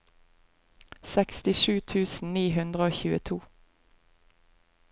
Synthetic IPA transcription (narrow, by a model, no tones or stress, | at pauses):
sɛkst̪ɪʃʉːt̪ʰʉːsn̩niːhʉnd̪ʁəoːçʉːət̪ʰuː